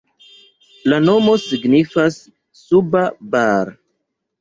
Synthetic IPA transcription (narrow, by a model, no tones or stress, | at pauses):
lano̞mo̞siɡnifasː | ubabaɾ